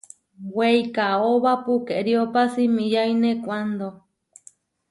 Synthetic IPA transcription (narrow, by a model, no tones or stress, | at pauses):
wejkaoβapukeɾiopasimĩjainekʷand̪o